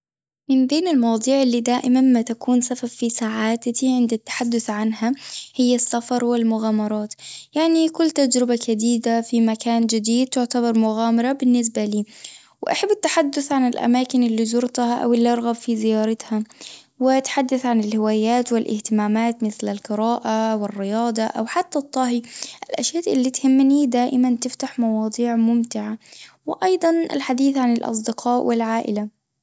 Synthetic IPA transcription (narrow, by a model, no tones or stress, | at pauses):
mɪnbeːnɪlmɑwd̪ˤuːʕɪlːiːd̪aːʔɪmanmat̪akʰuːnsafabfisaːʕaːt̪iʕɪnd̪at̪ːḁħad̪ːʊθʕanhahɪjːasːafɑɾˤwɪlmʊɣaːmɑɾˤɑːt̪jaʕnikʊlːt̪ad͡ʒɾɪbakad̪iːd̪afimakaːnd͡ʒɪd̪iːd̪̚t̪ʊʕt̪abɑɾˤmʊɣaːmɑɾˤɑbɪnːɪs̬baliː | wɪʔaħabːɪt̪ːaħad̪ːʊθʕanɪlʔa̰maːkɪnɪlːizʊɾt̪ˤhɑʔa̰wɪlːiʔɑɾˤɣabfizɪjɑːɾˤɑt̪ha | wɪʔat̪ħad̪ːaθʕanɪlhɪwaːjaːt̪wɪlʔɪ̰ht̪ɪmaːmaːt̪mɪθlalqɨɾaːʔawɪrːɪjɑːd̪ˤɑʔawħat̪ːat̪ˤːɑɦiʔalʔaʃjaːʔɪlːit̪hɪmːnid̪aːʔɪmant̪ɪft̪aħmɑwɑːd̪ˤiːʕmʊmt̪ɪʕa | wɪʔɑjd̪ˤɑnɪ̰lħad̪iːθʕanɪlʔɑ̰s̬ˤd̪ɪqʰɑːʔwɪlʕaːʔɪ̰la